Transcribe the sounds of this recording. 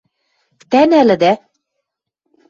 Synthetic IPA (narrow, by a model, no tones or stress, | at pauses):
t̪ænælɘ̆d̪æ